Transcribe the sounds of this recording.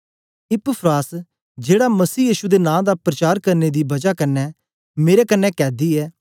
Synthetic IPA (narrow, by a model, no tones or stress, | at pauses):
ɪpəpʰɾaːs | d͡ʒeːɽamɐsiːjiːʃud̪enãːd̪apɾət͡ʃaːɾkɐɾned̪ibɐd͡ʒakɐnːɛ | meːɾɛkɐnːɛkɛːd̪iːɛː